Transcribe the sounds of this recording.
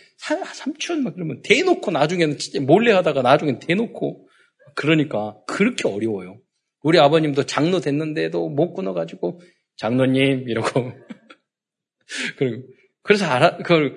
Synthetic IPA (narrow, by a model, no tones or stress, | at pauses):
sʰasʰamt͡ɕʰunmakiɾʌmjʌnte̞nokʰonad͡ʑuŋe̞nɯnt͡ɕʰi̥t͡ɕ͈emoɭːeɦadaɡanad͡ʑuŋe̞nɯnte̞nokʰo | akɯɾʌɲik͈akɯɾʌkʰeʌɾiwʌjo | uɾiabʌɲimdot͡ɕaŋnodwe̞nːɯnde̞domok͈unʌɡad͡ʑiɡo | t͡ɕaŋnoɲimiɾʌɡo | kɯɾʌɡo | kɯɾe̞s̬ʰʌaɾakɯɡʌɭ